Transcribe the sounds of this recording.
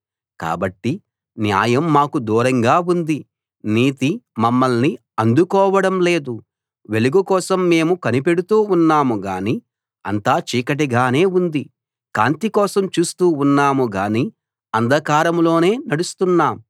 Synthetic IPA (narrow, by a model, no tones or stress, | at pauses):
ka̰ːbɐʈːi | nja̰ːjɐmːaːkud̪uːɾɐŋɡaːund̪i | niːt̪imɐmːɐlni | ɐnd̪ukɔːʋɐɽɐmle̞ːd̪u | ʋe̞luɡukɔːsɐmːe̞ːmukɐnipe̞ɽut̪uːunːaːmuɡa̰ːni | ɐ̰nt̪aːt͡ʃiːkɐʈ̬iɡaːne̞ːund̪i | ka̰ːnt̪ikɔːsɐmt͡ʃuːst̪uːunːaːmuɡaːni | ɐnd̪ʱɐkaːɾɐmlo̞ːne̞ːnɐɽust̪unːaːm